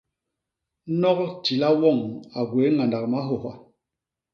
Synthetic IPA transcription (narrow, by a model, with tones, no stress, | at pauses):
nɔ˦kti˨la˦wɔ˦˨ŋa˨ɡwe˨˦ŋa˨nda˨k̚ma˨˦ɦo˨ɦa˦